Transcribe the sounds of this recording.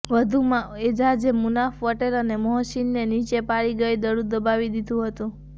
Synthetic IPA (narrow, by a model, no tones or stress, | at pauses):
ʋəd̪ʱumãed͡ʒad͡ʒemunafʋəʈelənemɔɦʃinːenit͡ʃepaɭiɡəjd̪əɽũd̪əbaʋid̪id̪ʱũɦət̪ũ